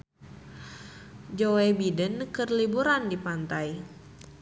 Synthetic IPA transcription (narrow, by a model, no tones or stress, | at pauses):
d͡ʒoebidənkərlibuɾandipant̪aj